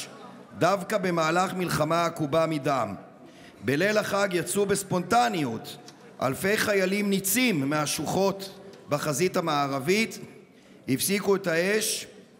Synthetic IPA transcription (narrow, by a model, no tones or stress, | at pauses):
davkabe̞maːlaχmilχamaakubamidam | bele̞laχaɡjat͡subespo̞ntanjut | ʔa̰lfe̞jχajalimnit͡simːeaʃuχo̞t̪baχazitamaːʁavit | hifsikuetae̞ʃ